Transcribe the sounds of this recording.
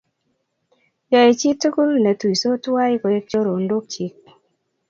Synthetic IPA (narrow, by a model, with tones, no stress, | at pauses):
jɔ˨e˨t͡ʃi˦tu˦ku˦lnɛ˨tu˨i˨so˦ta˦i˦ko˨e˦k̚t͡ʃo˦ɾo˨ndo˦k̚t͡ʃi˦k̚